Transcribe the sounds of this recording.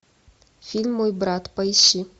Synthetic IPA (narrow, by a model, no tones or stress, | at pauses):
fʲilʲmːojbɾat̪pɐjɕːi